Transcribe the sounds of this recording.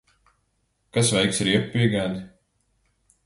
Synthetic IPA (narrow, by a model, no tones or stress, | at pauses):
kasvɛjksɾiɛpːiɛɡaːn